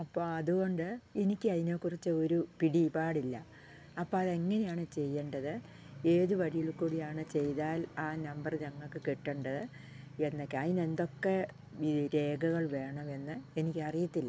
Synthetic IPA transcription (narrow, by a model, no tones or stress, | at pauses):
ɐpːoːɐðuɣo̞ɳɖɨenikʲːɨɐðineːkːurit͡ɕːɨoɾupiɽipaːɽilːɐ | ɐpːoːɐðe̞ŋːɐnejaːɳɨt͡ɕe̞jːeɳɖɐðɨ | e̞ːðuʋɐɻijilkuːɽijaːɳɨt͡ɕe̞jt̪aːlaːnɐmbɐrɲɐŋːɐɭkːɨkeʈːeɳɖɐðɨ | e̞nːokːɐðine̞nd̪o̞kːe̞ | iɾe̞ːɡɐɣɐɭʋe̞ːɳɐme̞nːɨenikʲːɨɐrijit̪ːilːɐ